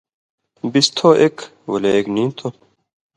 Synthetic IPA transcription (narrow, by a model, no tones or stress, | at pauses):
bist̪ʰoʔek | wɐleeknĩːnt̪ʰo